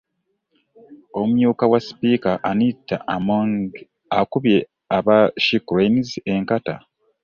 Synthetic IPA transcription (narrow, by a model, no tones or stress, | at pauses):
o̞mujuːkawaspiːkaʔanitːaʔmoŋ | akuβje̞ | aβaʃikɾeinzeŋkata